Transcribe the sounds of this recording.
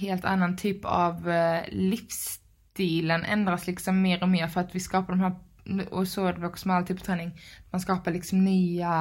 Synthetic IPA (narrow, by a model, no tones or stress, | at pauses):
ɦeːlt̪ʰa̰nːant̪ʰyːpʰa̰vlɪfs | t̪iːlənʔɛ̰nd̪ɾaslɪksɔmːeːɾɔmeːɾfœɾat̪ʋɪskɑːpaɖɔmhæː | ɔsod̪voːksmɛalt̪yːpɑt̪ɾɛːnɪŋt̪manskɑːpaɭɪksɔmnyːa